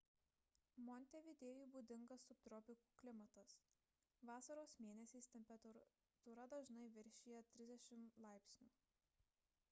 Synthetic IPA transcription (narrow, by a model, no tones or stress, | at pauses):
mɔnʲt̪ʲɛʋʲɪd̪ʲeːjuːˑbuːd̪ʲɪŋɡɐsːʊp̚t̪ɾɔpʲɪkuːklʲɪmɐt̪ɐs | ʋɑːsɐɾoːsmʲeːnʲɛsʲɛɪsʲt̪ʲɛmʲpʲɛt̪ | t̪uɾɐd̪ɐʒnɐɪʋʲɪɾʲʃʲiːjɛt̪ʲɾʲɪzd̪ʲɛʃʲɪmlˠɑˑɪpʲsʲnʲuː